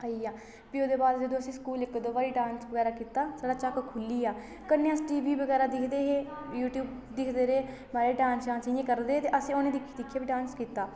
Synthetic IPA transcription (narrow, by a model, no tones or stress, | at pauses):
aiaː | piːoːd̪eːbaːd̪d͡ʒəd̪õːəsĩːskuːlɪkd̪oːbaːɾiːɖãːnsbəɡɛːɾaːkiːt̪aːsaːɖaːt͡ʃəkkʰʊlːiːaː | kənːeãsʈiːʋiːbəɡɛːɾaːd̪ɪkʰd̪eːɦeːjuːʈjuːb | d̪ɪkʰd̪eːɾeː | maːɾeːɖãːnsd͡ʒãːnsiẽːkəɾd̪eːt̪eːʔəsĩːonẽːd̪ɪkʰd̪ɪkʰːaːbiːɖãːnskiːt̪aː